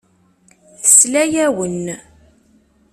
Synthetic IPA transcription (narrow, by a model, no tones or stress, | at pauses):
θəslæjæwən